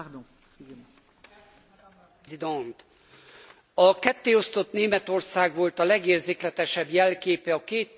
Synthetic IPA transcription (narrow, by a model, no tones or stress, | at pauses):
d̪ | id̪ont̪ | ɒkɛt̪ːeːo̞st̪o̞t̪neːmɛt̪o̞rsaːɡʋo̞lt̪ɒlɛɡeːrzeːklɛt̪ɛʃɛbjɛlkeːpɛɒkeːt̪